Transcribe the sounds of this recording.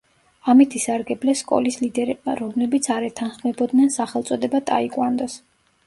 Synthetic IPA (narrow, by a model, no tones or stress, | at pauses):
amit̪ʰisaɾɡɛblɛskʼɔ̰lislid̪ɛɾɛbma̰ɾɔmlɛbit̪sʰaɾɛt̪ʰanχmɛbɔd̪nɛnsaχɛlˠt̪sʼɔd̪ɛbat̪ʼa̰ikʼwand̪ɔs